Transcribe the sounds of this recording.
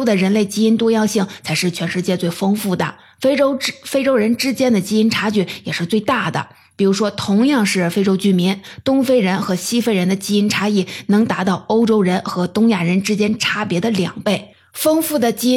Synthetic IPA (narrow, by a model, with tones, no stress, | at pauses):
d̪ə˨ɻə˧˥nle˥˩ɪt͡ɕi˥i˥nt̪wɔ˥jɑ˥˧ŋɕi˥˩ŋt͡sʰa˧˥ɪʂɻ̩˥˩t͡ɕʰɥɛ˧˥nʂɻ̩˥˧t͡ɕjɛ˥˧t͡swe˥˩ɪfɤ˥ŋfu˥˩d̪ə̰˩ | fʈ͡ʂo˥ʊfe˥ɪʈ͡ʂo˥ʊɻə˧˥nʈ͡ʂɻ̩˥t͡ɕjɛ˥nd̪ə˨t͡ɕi˥i˥nʈ͡ʂʰa˥t͡ɕy˥˩jɛ˨˩ʂɻ̩˥˧t͡swe˥˧ɪt̪a˥˩d̪ə̰˩ | pi˨˩ɻu˧˥ʂwɔ˥t̪ʰʊ˧˥ŋjɑ˥˧ŋʂɻ̩˥˩fe˥ɪʈ͡ʂo˥ʊt͡ɕy˥˩mi˧˥nt̪ʊ˥ŋfe˥ɪɻə˧˥nxɤ˧˥ɕi˥fe˥˩ɪɻə˧˥nd̪ə˧t͡ɕi˥i˥nʈ͡ʂʰa˥i˥˩nɤ˧˥ŋt̪a˧˥t̪ɑ˥˩ʊo˥ʊʈ͡ʂo˥ʊɻə˧˥nxɤ˧˥t̪ʊ˥ŋja˥˩ɻə˧˥nʈ͡ʂɻ̩˥t͡ɕjɛ˥nʈ͡ʂʰa˥pjɛ˧˥d̪ə˧ljɑ̰˨˩ŋpe˥˩ɪ | fɤ˥ŋfu˥˩d̪ə˩t͡ɕi˥